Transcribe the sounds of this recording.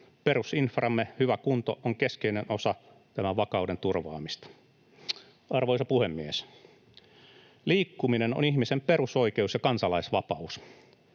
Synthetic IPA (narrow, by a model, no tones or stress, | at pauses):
pe̞ɾusinfrɑmːehyʋækunt̪oʔoŋke̞skeinenosɑ | t̪æmæʋɑkɑude̞nt̪urʋɑ̰ːmist̪ɑ̥ | ɑrʋojsɑpuhemːies | liːkːumineno̰nihmisempe̞ɾusoike̞usjɑkɑnsɑlɑisʋɑpɑus